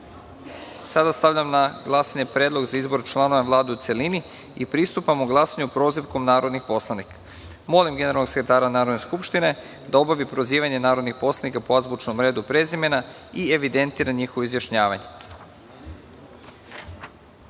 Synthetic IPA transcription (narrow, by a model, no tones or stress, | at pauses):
sad̪ast̪aʋʎamnaɡlˠasaɲe̞pɾe̞ːd̪lˠo̞ɡzaizbo̞ɾt͡ʃlˠano̞ʋaʋlˠaːd̪eut̪se̞lini | ipɾist̪upamuɡlˠasaɲeupɾo̞ziʋko̞mnaːɾo̞d̪nixpo̞slˠanikḁ | mo̞limɡe̞neɾalˠnoɡsekɾet̪aːɾanaːɾo̞d̪ne̞skupʃt̪ine̞ | d̪ao̞baʋipɾo̞ziːʋaɲe̞naːɾo̞d̪nixpo̞slˠanikapoazbut͡ʃnomɾe̞ːd̪upɾe̞zime̞na | ieʋid̪e̞nt̪iːɾaɲixoʋoizjaʃɲaːʋaɲe